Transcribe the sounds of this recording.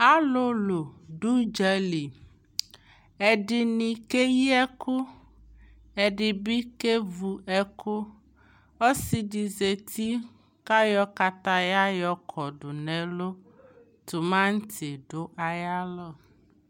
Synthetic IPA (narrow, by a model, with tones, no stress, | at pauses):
a˦lo˦lo˨ɖu˦d͡ʒɛ˦li˨ | ɛ˨ɖi˨nĩ˨ke˦ji˦ɛ˦ku˦ | ɛ˨ɖi˨bi˦ke˦vu˨ɛ˦kʰo˦ | o˦si˦di˨ze˨t̪ʰi˦ | ka˦jɔ˦ka˦t̪a˦ja˦jɔ˦kʰɔ˨ɖu˨nɛ̃˨lo˦ | t̪u˨mã˦ŋ̩˦t̪ʰi˨ɖo˦ʔa˨ja˦lɔ˦˨